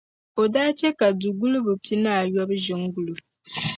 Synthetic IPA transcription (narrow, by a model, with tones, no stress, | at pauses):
o˨daː˦t͡ʃɛ˦ka˨du˨ɡu˦lu˦bu˨pi˦na˦˨jɔ˦bɨ˦ʒɪ˨ŋ˦ɡu˦lu˨